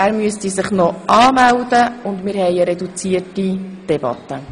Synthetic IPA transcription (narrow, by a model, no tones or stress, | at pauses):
æːɾmyəstisɪχnɔʔɑːmældəʊndmɪːɾhɛjəɾɛdut͡siətid̥ɛbɑ̰t̪ːə